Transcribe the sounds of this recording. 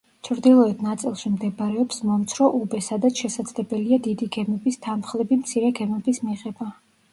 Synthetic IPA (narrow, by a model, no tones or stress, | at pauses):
t͡ʃʰɾd̪ilˠɔɛt̪ʰnat̪sʼilˠʃimd̪ɛbɾɛɔpsmɔmt̪sʰɾɔʔubɛsad̪at̪sʰʃɛsad̪z̥lɛbɛliad̪id̪iɡɛmɛbist̪ʰanχlˠɛbimt̪sʰiɾɛɡɛmɛbismiʁɛba